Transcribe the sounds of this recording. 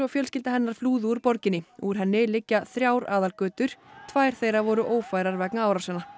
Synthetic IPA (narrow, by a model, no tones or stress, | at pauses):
ɔɣfjœlscɪlt̪aɦɛnːaɾ̥fluːðʏuɾpɔɾcɪnːɪuɾ̥ɦɛnːɪlɪcːaθɾjaːwɾaːðalkœːt̪ʏɾ̥t̪ʰvaːjɾ̥θejɾavɔɾʏʔoːwfaːjɾaɾvɛknaawɾasɛna